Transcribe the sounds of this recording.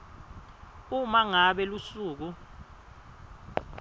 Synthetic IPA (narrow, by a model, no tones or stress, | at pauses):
umaŋaɓɛlusuːk̬u